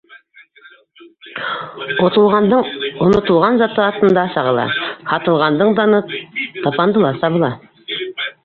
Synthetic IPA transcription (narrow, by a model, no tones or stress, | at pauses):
t̪əlˠʁɑnd̪ɤɴonŏt̪ə̆lˠʁɑnzɑt̪ːɤɑt̪ɤ̆nd̪ɑsɑʁɑlˠɑ̰hɑt̪ɤ̆lˠʁɑnd̪ɤɴd̪ɑnɤt̪ɑpɑnd̪əlˠɑsɑβəlˠɑ